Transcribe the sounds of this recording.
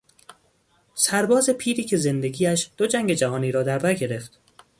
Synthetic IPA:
sæɾbɒːze̞pʰiːɾiːcʰe̞ze̞nd̪e̞ɡiːæʃd̪̥o̞d͡ʒæŋɟe̞d͡ʒæɦɒːniːɾɒːd̪æɾbæɾɡe̞ɾe̞ft̪

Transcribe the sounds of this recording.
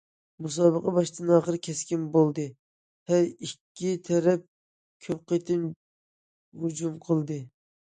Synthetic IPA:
mus̬ɑːbəqɑbɑʃt̪ɨnɑːχəɾkʲʰɛskʲimbolˠd̪ɨ | tɛɾikʲʰːit̪ʰɛɾɛp̚ | kʲʰøp̚qet̪ʰɪn | ɦud͡ʒumqʰəlˠd̪ɨ

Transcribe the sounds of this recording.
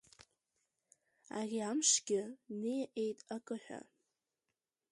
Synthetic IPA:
a̰rʲiamʂɡʲɪnɨjʔejtʼakʼɨħʷᶣa̰

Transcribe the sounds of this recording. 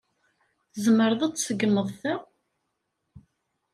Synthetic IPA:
θəzməɾðˤæt͡sːsəɡːməðˤθæ

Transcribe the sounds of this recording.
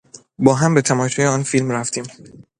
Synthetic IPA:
bɒːɦæmbet̪ʰæmɒːʃʰuːjeɒːnfilmɾæft̪ʰiːm

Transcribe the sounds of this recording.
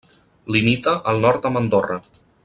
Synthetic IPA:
limit̪əʔəlˠnɔɾt̪əmənd̪orə

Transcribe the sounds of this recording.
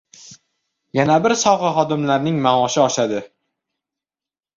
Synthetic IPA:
janabɪɾsɒwʁɑχɒd̪ɪmlaɾnɪŋmamɒʃɪɒʃad̪ɪ

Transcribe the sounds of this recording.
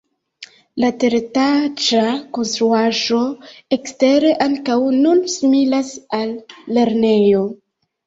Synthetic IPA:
lateɾetad͡ʒako̞nstɾuaʒo̞ekste̞ɾe̞ʔaŋkawnunsimilasalːe̞ɾne̞jo̞

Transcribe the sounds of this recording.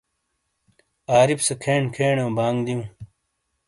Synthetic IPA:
aːɾipsɐkʰeːɳkʰeːɳew̃baːŋd̪iũː

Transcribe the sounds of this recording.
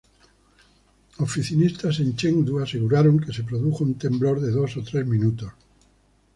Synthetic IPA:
ofiθinist̪asẽ̞nt͡ʃeŋd̪uaseɣuɾaɾoŋkese̞pɾoðuxount̪e̞mblo̞ɾðe̞ðo̞sot̪ɾe̞zmĩnut̪os

